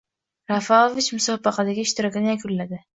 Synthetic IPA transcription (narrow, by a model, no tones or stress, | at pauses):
ɾafaovɪt͡ʃmʊsɒbɑqɑd̪aɡʲɪɪʃt̪ɪɾɒkʲɪnɪjakʰʊllad̪ɪ